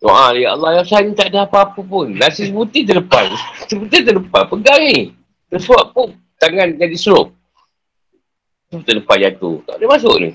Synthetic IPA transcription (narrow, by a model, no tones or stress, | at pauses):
t̪o̰ʔãlajaʔalːajasanit̪aʔdəhapaːpəpʊnːasisbut̪it̪̬ələpa̰nsəbət̪it̪ələpanpəɡaŋni | t̪əsuaʔpʊʔ | t̪aŋand͡ʒadisɾoʔ̚ | səpət̪ədəpanjat̪ṵt̪a̰ʔdəmas̬ʊʔnḭ